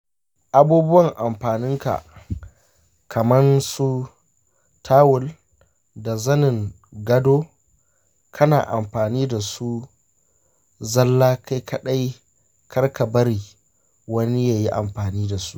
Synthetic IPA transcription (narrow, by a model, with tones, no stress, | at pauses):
ʔa˨buː˦bʊ˦wɐ˨ŋʔa˨mɸaː˨nɪ˦ŋka̰˨ʔ | kʰɐ˨mɐ˦nsu˦ | tʰaː˦wʊ˦˨l | da˨zɐ˦nɪ˨ŋ | ɡɐ˦doː˦ | kʰɐ˦na̰ː˨ʔa˨mɸaː˨niː˦da˨su˦ | zɐ˦lːaː˦kʰa˦jkʰɐ˦ɗa˦j | kʰɐ˦rka˨bɐ˦ɾiː˨ | wɐ˦ni˦jaː˨ji˦ʔa˨mɸaː˨niː˦da˨su̥˦ʔ